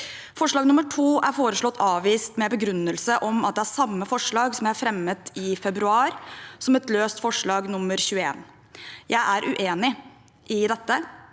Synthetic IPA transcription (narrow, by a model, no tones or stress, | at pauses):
fɔʂɭɑːɡnʊməʈʰuːʔæɾfoːɾəʂɭɔt̪ʰːɑːʋiːst̪mɛbəɡɾʉnːəlsəʔɔmɑt̪̚d̪ɛhæɾsɑmːəfɔʂɭɑːɡsɔmjæɪæɾfɾɛmːət̪ʰɪfɛbɾʉɑːɾsɔmɛt̪løːst̪fɔʂɭɑːɡnʊmːəɾçʉːəeːn | jʔæɪʔæɾʔʉʔeːnɪ | ʔɪd̪ɛt̪ːə